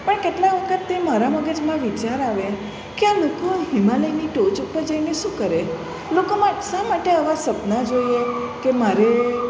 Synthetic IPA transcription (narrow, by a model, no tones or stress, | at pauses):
pəɳkeʈlaʋəkʰət̪ːemaɾaməɡəd͡ʒmãʋit͡ʃaɾaʋe | kealokoɦimãləjniʈot͡ʃəkpəɾd͡ʒaineʃũkəɾe | lokomãʈʃamaʈeəʋasəpnad͡ʒojekemaɾe